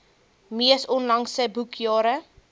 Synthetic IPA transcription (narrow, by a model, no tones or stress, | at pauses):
miəsɔnlɐŋsəbukʰjɑːɾə